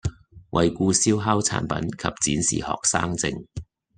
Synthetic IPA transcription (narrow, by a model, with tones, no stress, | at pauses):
wʔɐ˨jkuː˧siː˥wɦaː˥wt͡sʰa̰ː˨˥npɐ̰˨˥nkʰɐ˨p̚t͡siː˨˥nsḭː˨hɔ̰ː˨k̚sa̰ː˥ŋt͡sɪ˧ŋ